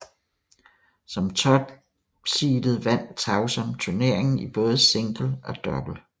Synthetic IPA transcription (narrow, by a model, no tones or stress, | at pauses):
sɒ̽mt͡sʰɒ̽b̥ | siːd̥ð̩ˠʋæn̰t͡sʰɑ̈ʊsɒ̽mt͡sʰuɐne̝ɐ̰e̝ŋn̩ib̥ɔ̽ːð̞ˠse̝ŋ̰ɡ̥l̩ɒ̽d̥ɒ̽b̥l̩